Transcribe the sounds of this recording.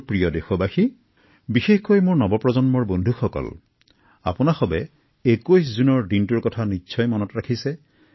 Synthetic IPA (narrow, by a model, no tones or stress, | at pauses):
pɹijɔdexɔbaxi | bixexkojmʊɹnɔbɔpɹɔzɔnmɔɹbɔndʱuxɔkɔ̰l | a̰pʊnaxɔbɛ | ekojszunɔɹdintuɹkɔtʰanitːsʰɔjmɔnɔtɹakʰisɛ